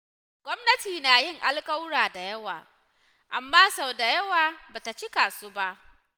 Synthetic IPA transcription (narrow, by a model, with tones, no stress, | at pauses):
ɡʷɔ˦mnɐ˦tiː˨naː˨jɪ˦ŋʔa˦lkʼa˦wɽaː˨da˨jɐ˦waː˨ | ʔa˨mːaː˦sa˨wda˨jɐ˦waː˨baː˨ta˨t͡ʃi˦kaː˨suː˦ba˦ʔ